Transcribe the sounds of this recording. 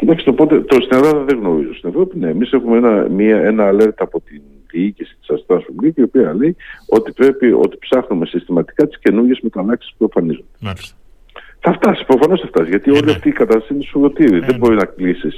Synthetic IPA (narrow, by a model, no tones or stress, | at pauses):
cit̪ɐksit̪o̞po̞t̪e̞t̪ost̪ine̞lɐðɐðeŋɣno̞ɾizo̞st̪ine̞vɾo̞pine̞emise̞xumeenɐmiɐe̞nɐːle̞ɾt̪ɐːpo̞t̪in | ðiicisi̥t̪i̥sɐst̪ɐsfumlicio̞piɐle̞jo̞t̪ipɾe̞pio̞̰t̪i̥psɐxnume̞sist̪imɐt̪i̥kɐt̪i̥sce̞nuɾʝe̞zme̞t̪ɐnɐksi̥spueɱfɐnizo̞nd̪e | θɐft̪ɐsi̥pɾo̞fɐno̞sθɐft̪ɐsʝɐt̪io̞liɐft̪iːkɐt̪ɐst̪ɐsiinesuðo̞t̪iɾiðe̞bo̞ɾinɐklisis